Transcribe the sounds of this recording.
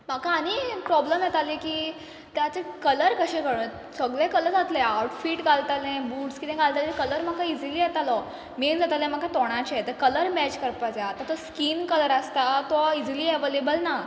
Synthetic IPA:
m̤akaːñipɾɔbləmjɛt̪alikiː | t̪jat͡sekələɾkəɕekəɽə | səɡɭekələɾd͡zat̪leawʈfiːʈɡalt̪alẽbuːʈskit̪ɛ̃ɡalt̪alɛ̃kələɾm̤akaid͡ziliːjɛt̪alɔ | mend͡zat̪alẽm̤akat̪ɔɽ̃at͡ɕɛt̪əkələɾmɛt͡ɕkəɾpad͡zaat̪ãt̪ɔskiːnkələɾast̪at̪ɔid͡ziliːɛʋolebəlna

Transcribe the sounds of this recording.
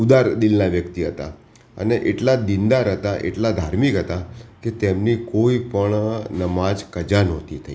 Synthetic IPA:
ud̪aɾd̪ilnaʋjəkt̪iɦət̪a̰ | ə̰neʔeʈlad̪ind̪aɾɦət̪aʔḛʈlad̪ʱaɾmikɦət̪aket̪emnikoipəɳnəmad͡ʒkəd͡ʒanɔt̪it̪ʰəi

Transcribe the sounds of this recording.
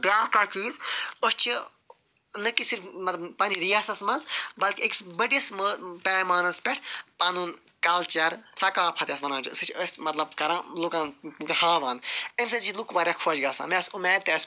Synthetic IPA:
bʲjaːkɐt͡ʃiːzost͡ʃʰi | nɐkisiɾfmɐt̪lɐbpɐniɾiaːsɐsmɐnzbɐlkieksbəɖijɐsməpɛːmaːnɐspʲeʈʰpɐnuːn | kɐlt͡ʃɐɾsɐkaːpʰɐt̪ʲjɐsʋɐnaːt͡ʃʰisɨt͡ʃʰɐsʲmɐt̪lɐbkɐɾãːlukãːnɡɐhaːʋɐnemsɐzt͡ʃʰilukʋaːɾʲjaːkʰoːd͡ʒɡɐːsa̰ːmesumɛːt̪eːs

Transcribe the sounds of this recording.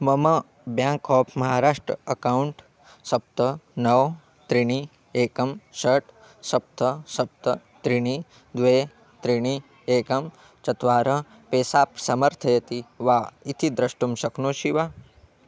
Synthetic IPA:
mɐmɐ | bjãːŋkɔːpʰmɐɦaːɾaːʂʈɾɐ̰ɐkawuɳʈ | sɐp̚t̪ɐnɐw | t̪ɾiɳ̃i | eːkɐmʃɐʈ | sɐp̚t̪ʰɐsɐp̚t̪ʰɐt̪ɾiɳ̃i | d̪ʋeː | t̪ɾiɳ̃i | eːkɐm | t͡ʃɐt̪ʋaːɾɐ | peːsaːpsɐmɐɾt̪ʰɐjɐt̪iʋaːit̪ʰid̪ɾɐʃʈumʃɐknoːʃiʋaː

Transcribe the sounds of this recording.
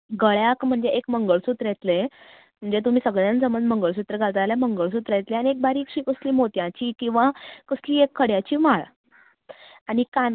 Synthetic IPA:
ɡəɭjakm̤əɳd͡zeʔekməŋɡəɭsut̪ɾjet̪lẽ | m̤əɳd͡zet̪um̤iːsəɡɭjãnsəmənməŋɡəɭs̬ut̪ɾəɡʱalt̪aljaməŋɡəɭs̬ut̪ɾjet̪leañiek̚baɾiːkɕiːkəsliːmot̪jãt͡ɕiːkĩw̃ʋakəsliːekʰːəɽjat͡ɕiːmaɭ | añikan

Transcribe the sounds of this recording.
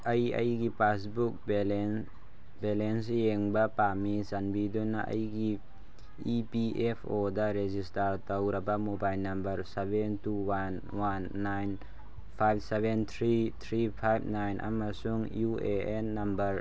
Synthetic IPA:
ʔəjə̰jɡipasbuk̚bl | bɛlɛnseŋbapamizanbid̪unːa̰ʔə̰jɡi | ipiʔɛpʰod̪aɾezistɐɾt̪ɐwɾɐbamobajlnɐmbɐɾsɛbɛntuwan | wanːajn | pʰajb̚sɛbɛnt̪ʰɾit̪ʰɾipʰajb̚najnʔa̰masuŋjuʔeʔɛnːɐmbɐɾ

